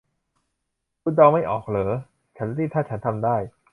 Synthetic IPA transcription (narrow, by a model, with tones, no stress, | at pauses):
ku˧˥˩dɔː˧wma˥˩jʔɔː˨˩k̚lɤː˩˦˥ | t͡ɕʰa˦˥nɾiː˥˩t̪ʰaː˥˩t͡ɕʰa˦nt̪ʰa˧mdaː˥˩j